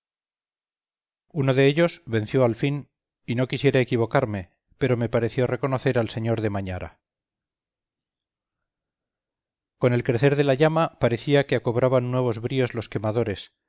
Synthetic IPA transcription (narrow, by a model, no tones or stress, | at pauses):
uno̞ðe̞eʎo̞zβe̞n̟θjo̞alfin | ino̞kisje̞ɾaekiβ̞o̞kaɾme̞ | pe̞ɾo̞me̞paɾe̞θjo̞re̞ko̞no̞θe̞ɾalse̞ɲo̞ɾðe̞maɲaɾa̰ | ko̞ne̞lkɾe̞θe̞ɾðe̞laʎamapaɾeθiakeako̞βɾaβanːwe̞β̞o̞zβɾio̞zlo̞ske̞maðo̞ɾe̞s